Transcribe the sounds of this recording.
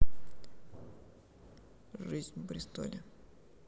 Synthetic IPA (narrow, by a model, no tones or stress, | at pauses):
ʐɨzʲnʲpɾʲɪst̪o̰lʲɪ